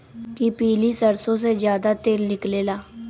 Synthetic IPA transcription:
kipiːliːsəɾsõːseːzjaːd̪aːt̪eːlnɪkleːlaː

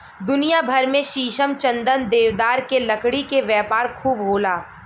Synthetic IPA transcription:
d̪ʊnijabʱɐɾmẽʃiːʃəmt͡ʃɐ̃nd̪ənd̪eːʋd̪aːɾkelɐkɽikeʋjɛːpaːɾkʰuːbɦoːlaː

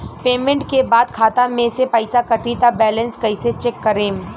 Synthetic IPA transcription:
peːmẽɳʈkebaːd̪kʰaːt̪amẽsepɐɪsakɐʈit̪abɛːlə̃nskɐɪset͡ʃeːkːɐɾẽːm

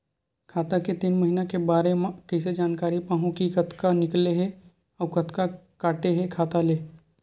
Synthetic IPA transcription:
kʰaːt̪aket̪iːnməɦinakebaːɾemãkəɪs̬ed͡ʒaːnkaːɾipaːɦũkikɐt̪kanɪkleɦɛ | ɔːɾkɐt̪ka | kaːʈeɦɛkʰaːt̪aleː

